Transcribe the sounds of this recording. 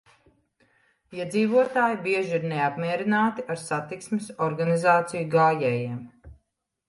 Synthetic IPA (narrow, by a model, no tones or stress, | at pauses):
iɛd̪ziːvuɔt̪aːjibiɛʒiiɾneapmiɛɾinaːt̪iaɾsat̪iksmɪsɔɾɡanizaːt̪sijuɡaːjɛːjiɛm